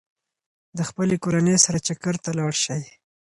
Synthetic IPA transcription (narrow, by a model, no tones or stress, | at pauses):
d̪əxpəlekoɾanejsaɾat͡ʃakaɾt̪alɑɽʃaj